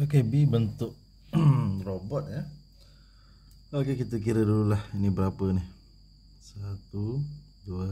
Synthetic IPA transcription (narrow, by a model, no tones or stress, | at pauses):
okebibənt̪ʊʔ̚ | robɔt̪̚ja | okekit̪ək̬iɾədululahinibəɾapənɪh | sat̪u | duə